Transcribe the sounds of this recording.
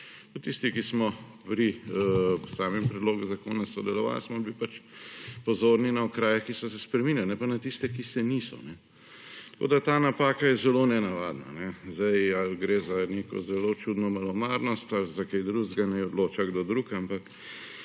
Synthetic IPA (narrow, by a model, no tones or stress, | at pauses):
t̪ut̪ist̪ikismɔ | pɾi | saːmɛmpɾɛd̪loːɡuzakoːnasɔd̪ɛlɔʋa̰lsmɔbipat͡ʃpɔzoːɾninaokɾaːjɛkisɔs̬ɛspɾɛminjalnɛpanat̪ist̪ɛkisɛnisɔ̰nɛ | t̪ɾko̰d̪at̪aːnapaːkajɛzɛlonɛnaʋad̪na̰nɛzd̪ajalɡɾeːzaneːkɔ̰zɛlot͡ʃud̪nɔmalɔmaːɾnɔst̪alzakejd̪ɾuzɡanɛjɔd̪loːt͡ʃaɡd̪od̪ɾukampak